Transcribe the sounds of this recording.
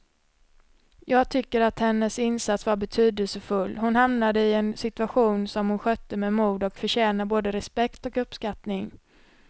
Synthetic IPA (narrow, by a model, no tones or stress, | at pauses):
jɑːɡ̚t̪ʰʏkːəɾat̪hɛnːəsɪnsat̪svaɾbɛt̪ʰyːd̪əlsəfɵlːhʊnhamnad̪əɪɛnsɪt̪ɵaɧuːnsɔmhʊnɧœt̪ːəmɛmuːd̪ɔkfœɕɛːnaboːd̪əɾɛspɛkt̪ɔkɵpːskat̪nɪŋ